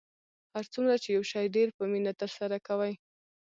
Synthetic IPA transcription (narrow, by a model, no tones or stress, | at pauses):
haɾt͡sumɾat͡ʃejawʃɑjɖeɾpəminat̪əɾsaɾakawaj